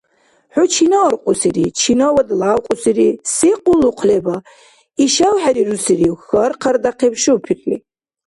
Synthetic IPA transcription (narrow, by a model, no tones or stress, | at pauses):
ħʊt͡ʃʰinaːɾqʷʼʊsiɾit͡ʃʰinawɐd̪laːwqʼʊsiɾisiqʼʊlːuqʰlɛba | iʃawħaɾiɾusiɾixɐrqʰɐɾd̪aqʰɛbʃupʰitʼlḭ